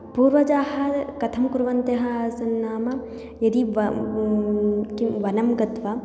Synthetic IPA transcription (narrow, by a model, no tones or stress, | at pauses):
puːɾʋɐd͡ʒaːɦɐkɐt̪ʰɐmkuɾʋɐnt̪eɦɐsɐnːaːmɐ | jɐd̪iʋɐ | kiʋɐnɐmɡɐt̪ʋɐ